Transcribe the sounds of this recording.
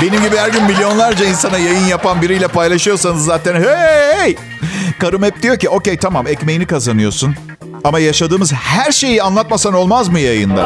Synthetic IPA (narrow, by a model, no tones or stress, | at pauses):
be̞nimɟibihæɾɟynmilʲijo̞nlˠaɾd͡ʒainsanajajɯnjapanbiɾijlʲɛpajlˠaʃɯjo̞sanɯzːaːt̪ʰænhej | kaɾɯmɛp̚d̪ijo̞cio̞ce̞jt̪ʰamamɛcme̞jinikazanɯjo̞̰sun | amajaʃad̪ɯːmɯzhæɾʃe̞jianlˠat̪masano̞lˠmazmɯjajɯ̰nd̪a̰